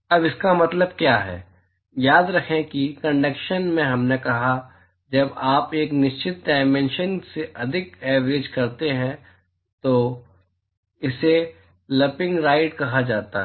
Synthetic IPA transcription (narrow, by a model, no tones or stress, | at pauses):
ɐbɪskamɐt̪ləb̚kjaːɦɛ̰ː | jaːd̪ɾɐkʰẽkikɐ̃ɳɖəkʃənmẽɦɐmnekɐɦa | d͡ʒɐbaːpeːknɪʃt͡ʃɪt̪̚ɖaːɪmẽnʃənseʔɐd̪ʱɪkɛːʋɾed͡ʒkɐɾt̪eɦɛ̃ | t̪oː | ɪse | lɐpɪ̃ŋɡɾaːɪʈ̚kɐɦad͡ʒaːt̪a̰ɦ